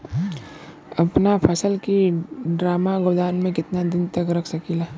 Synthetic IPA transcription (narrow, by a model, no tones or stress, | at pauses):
ɐpnapʰɐsəlkiɖɾaːmaɡʊɾd̪aːnmẽkɪt̪nad̪ɪnt̪ɐkɾɐkʰsɐkilaː